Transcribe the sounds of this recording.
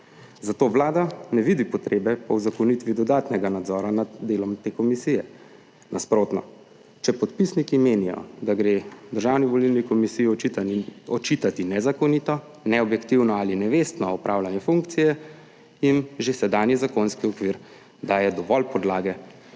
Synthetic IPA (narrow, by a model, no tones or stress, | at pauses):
zat̪oːʋlaːd̪anɛʋid̪ipɔt̪ɾeːbɛpɔwzakɔnit̪ʋid̪ɔd̪aːt̪nɛɡanad̪zɔːɾanad̪d̪eːlɔmt̪eːkɔmisijɛ | nʔaspɾoːt̪nɔ̰ | t͡ʃɛpɔt̪pisnikimeːnijɔ̰d̪aɡɾed̪əɾʒaːwniʋɔlilnikɔmisiji | ɔt͡ʃit̪at̪inɛzakɔnit̪ɔ | nɛɔbjɛkt̪iwnɔalinɛʋest̪nɔɔpɾʔawlanjɛfuŋkt̪sijɛ | inʒesɛd̪aːnjizakonskiɔkʋiɾ | d̪aːjɛd̪ɔʋɔlpɔd̪laːɡɛ